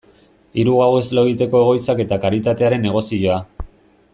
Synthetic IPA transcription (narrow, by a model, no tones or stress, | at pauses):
iɾuɣawe̞zlo̞ɣit̪e̞ko̞e̞ɣ̞o̞jt͡sake̞t̪akaɾit̪at̪e̞aɾe̞nːe̞ɣ̞o̞siʝo̞a